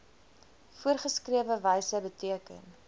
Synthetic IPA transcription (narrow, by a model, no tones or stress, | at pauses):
fuərχəskriəvəvəjsəbətiəkə̰n